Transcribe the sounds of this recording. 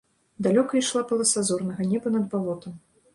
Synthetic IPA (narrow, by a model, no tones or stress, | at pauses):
d̪alʲɔkɐjʂlˠapɐlˠɐsazɔrnɐɣɐnʲɛbɐnɐd̪̚balˠɔt̪ɐm